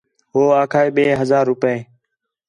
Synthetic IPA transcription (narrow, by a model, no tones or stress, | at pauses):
ɦoːaːkʰaːeːɓeːɦəzaːɾːʊpeẽː